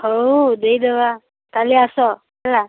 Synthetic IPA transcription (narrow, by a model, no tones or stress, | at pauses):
hod̪eid̪eʋa | t̪aleasɔ | ala